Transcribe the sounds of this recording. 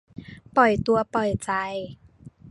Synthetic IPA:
pɔ˨˩jt̪u˧ɐpɔ˨˩jt͡ɕa˧j

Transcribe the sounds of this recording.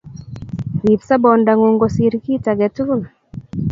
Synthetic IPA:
ɾi˨psa˦bɔ˨nda˨ŋo˨ŋɡo˨si˨ɾki˦ta˨ɡɛ˨tu˦l

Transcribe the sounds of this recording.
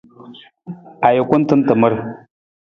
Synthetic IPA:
a˨ji˨kʷu˦n˦tɨ˦n˦tə˨mə˦ɾ

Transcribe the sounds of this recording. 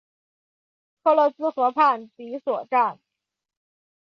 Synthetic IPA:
kʰɤ˥˧lɤ˧˥sɹ̩˥xɤ˧˥pʰa˥˩nti˧˥swɔ˨˩ʈ͡ʂa˥˩n

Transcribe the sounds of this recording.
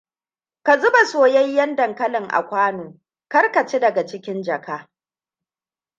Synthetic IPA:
ka˨zʊ˦ba˨soː˨jɐ˦jːɐ˦ndɐ˨ŋkɐ˦lɪ˨ŋʔa̰˨kʷaː˦noː˨ | kɐ˦rka˨t͡ʃe˦dɐ˨ɡa˨t͡ʃɪ˦kʲɪ˦nd͡ʒɐ˨kaː˦

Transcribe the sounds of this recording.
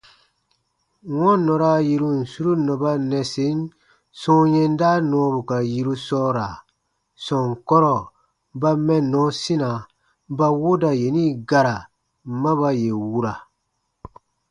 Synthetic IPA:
ŋɔ̃˦nɔ˨ɾa˦ji˦ɾu˦n̩˨su˦ɾu˦nɔ˨ba˦nɛ˨se˨˦n | sɔ̃˦jɛ˦n˦daː˦nɔ̃˨˦bu˨ka˨ji˦ɾu˦sɔː˦ɾa˨ | sɔ̃˨ŋ˨kɔ˦ɾɔ˨ | ba˦mɛ˦nɔ̃˨˦si˦na˨ | ba˦wo˦da˨je˨nĩː˦ɡa˦ɾa˨ | mã˦βa˦je˨wu˦ɾa˨

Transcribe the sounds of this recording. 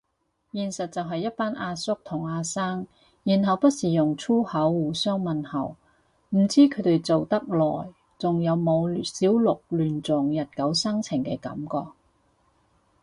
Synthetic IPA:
jiː˨˩nsɐ˨t̚t͡sɐ˨wɦɐ˨jːɐ˥t̚paː˥nʔaː˧sʊ˥k̚t̪ʰʊ˨˩ŋaː˧saː˥ŋ | jiː˨˩nɦɐ˨wpɐ˥t̚siː˨jʊ˨˩ŋt͡sʰuː˥hɐ˨˥wːuː˨˩sœː˥ŋmɐ˨nhɐ̰˨˩w | m̩˨˩t͡siː˥kʰɵ˨˧ɥt̪e˨jt͡so˨wt̪ɐ˥k̚lɔː˨˩j | t͡sʊ˨ŋjɐ˨˧wmo˨˧wsiː˨˥wlʊ˨k̚lyː˨˩nt͡sʊ˨ŋjɐ˨t̚kɐ˨˥wsɐ˥ŋt͡sʰɪ˨˩ŋkɛ̰ː˧kɐ̰˨˥mkɔː˧k̚

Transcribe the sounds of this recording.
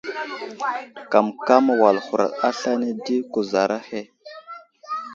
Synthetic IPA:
ka˨mka˦ma˨wa˨lxu˨ɾa̰˨ɗa˦ɬa˦ne˦di˦ku˨za˨ɾa˦he˦

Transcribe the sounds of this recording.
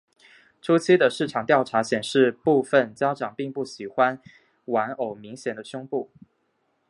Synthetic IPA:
ʈ͡ʂʰu˥t͡ɕʰi˥d̪ə˨ʂɻ̩˥˩ʈ͡ʂʰɑ˨˩ŋt̪jɑ˥˩ʊʈ͡ʂʰa˧˥ɕjɛ˨˩nʂɻ̩˥˧pu˥˧fə˥˨nt͡ɕjɑ˥ʊʈ͡ʂɑ˨˩ŋpi˥˧ŋpu˥˩ɕi˨˩xwa˥n | wa˧˥no˨˩ʊmi˧˥ŋɕjɛ˨˩nd̪ə˦ɕʊ˥ŋpu˥˩

